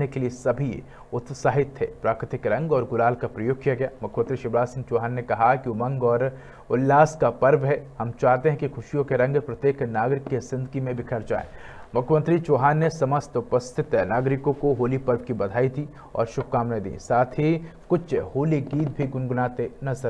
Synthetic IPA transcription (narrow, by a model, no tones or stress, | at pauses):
nekeliesɐbʱḭ | ʊt̪saːɦɪt̪ɦɛːpɾaːkɾɪt̪ɪkɾɐ̃ŋɡɔːɾɡʊlaːlkapɾɐjoːɡ̚kjaɡɐjaːmʊkʰjmɐ̃nt̪ɾiʃɪbɾaːsɪ̃ŋɡ̚t͡ʃoːɦaːnːekɐɦakiomɐ̃ŋɡɔːɾ | ʊlːaːskapɐɾbɦɛɦɐmt͡ʃaːɦt̪eɦɛ̃kixʰʊʃijõkeɾɐ̃ŋɡpɾɐt̪jeːknaːɡɾɪkːesɪ̃nd̪əkimẽbɪkʰəɾd͡ʒa̰ːḛːmʊkʰjəmə̃nt̪ɾit͡ʃoːɦaːnːesɐməst̪ʊpəst̪ʰɪt̪ɦɛnaːɡɾɪkõkoɦoːlipɐɾbkibɐd̪ʱaːit̪ʰi | ɔ̰ːɾʃʊb̚ʱkaːmnaːid̪ḭːsaːt̪ʰikʊt͡ʃʃhoːliɡiːt̪bʱiɡʊnɡʊnaːt̪enɐzəɾ